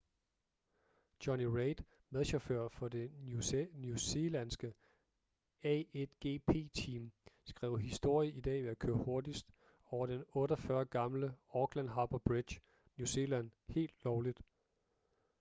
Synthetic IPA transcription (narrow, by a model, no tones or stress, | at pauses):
d̥ɒniʁeɪd̥ | með̞ˠɕɑføɐ̰fɒ̽d̥e̝ | njuse̝lænsɡ̥ə | ɛed̥ɡ̥e̝̰ːpʰe̝̰ːt͡sʰiːmsɡ̥ʁɛ̰ːʊ̰ɦisd̥o̝ɐ̰jəʔid̥ɛ̰ːʋeækʰøːɐho̝ɐd̥isd̥ | ɒʊɐd̥enɔ̽ːɾɐfɶːɐɡ̥ɑ̈mləɒɡ̥lænɦɑ̈b̥ɐb̥ʁid̥j | njuse̝ːlænhe̝̰ːld̥lɒʊlid̥